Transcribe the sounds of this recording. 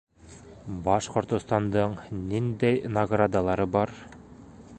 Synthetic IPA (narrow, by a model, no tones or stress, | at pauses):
bɑʃqŏɾt̪ŏst̪ɑnd̪ɤɴnind̪æjnɐɡrad̪alˠɑɾɤbɒɾ